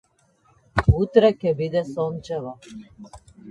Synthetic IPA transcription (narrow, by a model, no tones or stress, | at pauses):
ut̪ɾɛkɛbid̪ɛsont͡ʃɛla